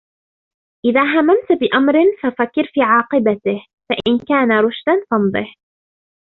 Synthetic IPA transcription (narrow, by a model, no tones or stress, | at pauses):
ʔɪðaːɦamːamt̪bɪʔamɾɪnfafakːɪɾfiːʕɑːqɨbat̪ɪh | faʔɪnkaːnaɾˤʊʃd̪anfɑnd̪ˤɨh